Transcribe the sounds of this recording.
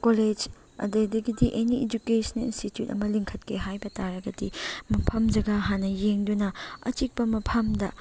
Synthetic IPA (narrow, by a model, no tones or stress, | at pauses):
koled͡ʒ | ɐ̰dedɐɡidiʔenied͡ʒukesʰɐnlḭnstitjutɐ̰mɐliŋkʰɐtkʰeɦajbɐtaɾɐɡɐdimɐpʰɐmd͡ʒɐɡɐɦanːɐjeŋdunɐɐ̰t͡ʃik̚pɐmɐpʰɐmdɐ